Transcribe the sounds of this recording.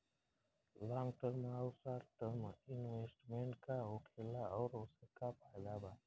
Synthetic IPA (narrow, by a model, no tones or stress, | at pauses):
lãːŋɡʈəɾmaʊsaːɾʈəɾmɪnweːsʈmẽɳʈkaɦokʰelaɔːɾosəkapʰajlaːbaː